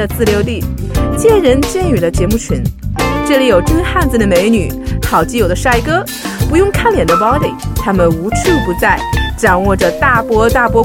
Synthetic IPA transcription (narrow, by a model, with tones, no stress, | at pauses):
ə˨t͡sɹ̩˥˩ljo˧˥ʊt̪i˥˩t͡ɕjɛ˥˩ɻə˧˥nt͡ɕjɛ˥˩ny˨˩lə˦t͡ɕjɛ˧˥mu˥˩t͡ɕʰi˧˥nʈ͡ʂɤ˥˧li˧˩jo˨˩ʊʈ͡ʂə˥nxa˥˧nt͡sɹ̩˨˩d̪ə˩me˧˥ɪny˨˩xɑ˨˩ʊt͡ɕi˧˥jo˨˩ʊd̪ə˦ʂa˥˩ɪkɤ˥ | pu˧˥jʊ˥˧ŋkʰa˥˩nljɛ˨˩nd̪ə˦pɑ˥ʊt̪i˥˩t̪ʰa˥mə˨nu˧˥t͡s̩ʰ˥˩pu˧˥t͡sa˥˩ɪʈ͡ʂɑ˨˩ŋwɔ˥˩ʈ͡ʂə˩t̪a˥˩pwɔ˥t̪a˥˩pwɔ˥